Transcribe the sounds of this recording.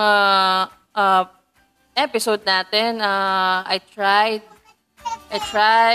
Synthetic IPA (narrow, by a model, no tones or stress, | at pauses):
a | ʔɐ | ʔɛpɪsowd̪̚naːt̪ɛnaʔɐjt̪ɹajd̪̚ | ʔɐjt̪ɾa